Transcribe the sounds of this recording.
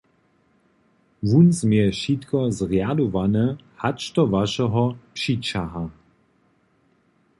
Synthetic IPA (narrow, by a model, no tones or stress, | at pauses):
vunzmjɛʃit̪kɔzʁjadovanəhat͡ʃtɔvaʃɛɦɔpʂit͡ʃaɦa